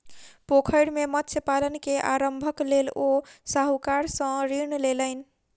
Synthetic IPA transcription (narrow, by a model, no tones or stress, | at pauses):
pokʰəjɽmemət̪sʰjepalənkeʔaɾəmbʱəklelosaɦukaɾsə̃ɾiɾnleləɪn̆